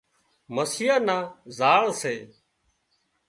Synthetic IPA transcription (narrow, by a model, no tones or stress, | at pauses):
məsiːaːnaːzaːɭseː